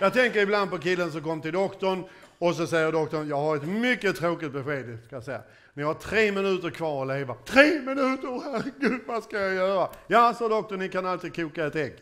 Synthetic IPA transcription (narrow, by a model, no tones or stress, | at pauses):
jɑːt̪ʰɛŋkəɾɪbland̪̚pɔkɪlːəns̬ɔmkɔmːt̪ɪld̪ɔkt̪ɔɳ | ɔs̬ɔsɛjːəd̪ɔk̚t̪ɔnjɑːɡhaɾɛt̪mʏkːət̪ʰɾoːkɪt̪̚bɛɧeːd̪skajasɛjːa̰ | nɪhaʈʰɾeːmɪnʉ̟ːt̪əɾkʰvɑːɾɔleːvat̪ʰɾeːmɪnʉ̟ːt̪əɾhæɾɛɡʉ̟ːd̪vaskajajœːɾajasɔd̪ɔk̚t̪ɔnɪkanalt̪ɪːd̪̚kʰuːkaɛt̪ɛkː